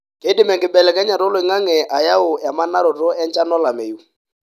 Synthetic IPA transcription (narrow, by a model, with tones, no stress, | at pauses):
ke˦dɪ˦mɛ˨ŋɡɪ˨bɛ˨lɛ˨kɛ˦ɲa˨ɾɔ˦lʊ˨ɪ˨ŋa˦ŋɛ˨ʔa˨ja˦ʊ˨ɛ˨ma˦na˦ɾɔ˨tɔ˦ɛ˦nt͡ʃa˦nɔ˦la˨mɛ˨ju˨˦